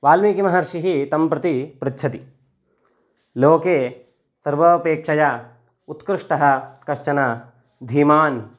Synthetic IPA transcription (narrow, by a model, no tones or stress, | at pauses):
ʋaːlmikimɐɦɐɾʃiɦit̪ɐmpɾɐt̪ipɾɐt͡ʃʰɐt̪i | loːkeː | sɐɾʋɐpeːkʂɐjɐ | ut̪kɾɪʂʈɐɦɐ̆kɐʃt͡ʃɐnɐ | d̪ʱiːmaːn